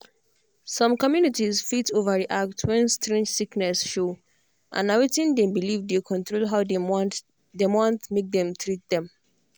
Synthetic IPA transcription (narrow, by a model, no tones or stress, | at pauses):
sɔ̃mkɔmjunitizfitʰovədiʔak̚twɛ̃nstɹɛ̃nd͡ʒsiknɛsʃo | ʔã̰nawetĩndɛ̃mbilivdekʰɔ̃ntɹolɦaʊd | dewɔ̃ntmek̚dɛ̃mtʰɹit̚dɛ̃m